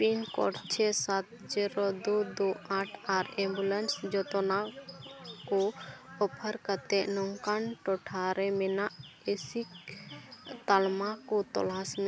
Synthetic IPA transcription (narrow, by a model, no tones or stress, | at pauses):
pinkɔ̰ɾt͡ʃʰɛsat̪̚ | d͡ʒɛɾɔd̪ud̪uaʈʰaɾɛ̃mbulɛnsd͡ʒɔt̪ɔna | kɔɔpʰəɾkat̪ɛʔnɔŋkanʈɔʈʰaɾɛmɛnaʔ | esik̚ | t̪almakɔt̪ɔ̰lasmɛ